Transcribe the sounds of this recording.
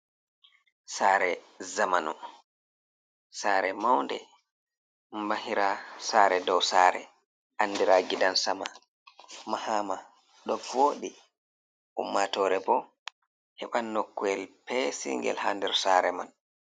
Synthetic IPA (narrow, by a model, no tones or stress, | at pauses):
saːɾɛ | zamanu | saːɾɛmawndɛ | mbahiɾasaːɾɛdɔwsaɾɛ̰ | ʔandiɾaɡiɗansama̰ | mahama | ɗɔvoːɗi | ʔumːatɔːɾɛbɔ | hɛɓanːɔkːuɛlpɛsḭŋɡɛ̰lhandɛɾsaɾɛman